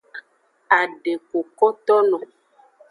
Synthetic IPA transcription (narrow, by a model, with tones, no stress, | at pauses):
a˨ɖe˨ko˨kɔ˦t̪ɔ˦nɔ̃˨